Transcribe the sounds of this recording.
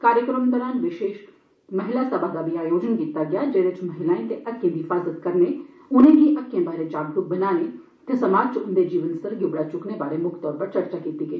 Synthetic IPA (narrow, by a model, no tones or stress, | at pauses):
kaːɾjəkɾəmd̪əɾaːnʋɪʃeːʃ | mɐɦɪlasɐbʱakabʱiaːjoːd͡ʒənkiːt̪aɡɪjad͡ʒɐɾet͡ʃmɐɦɪlaːĩt̪eʔɐkːẽb̪iɪfaːzət̪kɐɾne | ʊnɦẽbʱiʔɐkːjẽbaːɾet͡ʃaːɡ̚d̪uk̚bɐnaːne | t̪ɐsɐmaːd͡ʒt͡ʃʊnd̪ed͡ʒiːʋənsəɾɡɪbɽat͡ʃʊkneʋaːɾemʊkʰt̪ɔːɾpɐɾt͡ʃɐɾt͡ʃakiːt̪iɡɐː